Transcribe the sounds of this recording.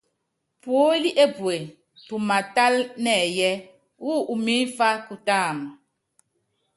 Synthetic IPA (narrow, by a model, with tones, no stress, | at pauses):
pwo˨˦li˦ʔe˦pwe˨ | tu˨ma˨ta˦lnɛ˦˨jɛ˦ | wu˦ʔu˨mi˦n˦fa˦ku˨taː˦˨mɔ˨